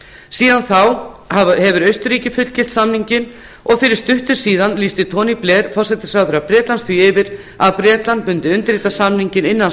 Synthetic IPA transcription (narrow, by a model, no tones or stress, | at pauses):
siːðanθawahɛvʏɾœɥst̪ʏɾiːcɪfʏt̪l̥cɪl̥t̪samniɲcɪn | ɔɣfɪɾɪɾ̥st̪ʏht̪ʏɾ̥siːðanliːst̪ɪt̪ʰɔːniplɛːɾ̥fɔr̥sɛt̪ɪ̥sɾaːwðʏɾapɾɛːt̪lansθviɪvɪɾ | aðpɾɛːt̪lant̪̚mʏnt̪ɪʏnt̪ɪɾiːt̪asamniɲcɪnɪnːan